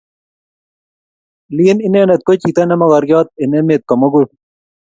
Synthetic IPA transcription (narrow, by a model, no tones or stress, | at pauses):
liːninenet̪̚kot͡ɕit̪ɐnɐmɐɣɐɾɡjɑːt̪̚inemet̪̚komɐɡu